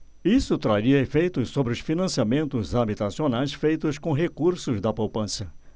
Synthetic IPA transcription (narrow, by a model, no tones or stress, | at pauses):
isʊt̪ɾaɾiɐefejt̪ʊssobɾɪʊsfinɐ̃siamẽnt̪ʊzabit̪asionajsfejt̪ʊskõɦekuɾsʊzd̪ɐpowpɐ̃sɐ